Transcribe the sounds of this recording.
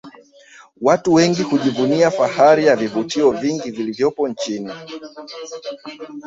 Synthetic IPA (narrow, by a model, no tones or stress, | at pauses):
watuwɛŋɡihuʄivuniafahaɾijavivutiɔviŋɡivilivjɔpɔnt͡ʃini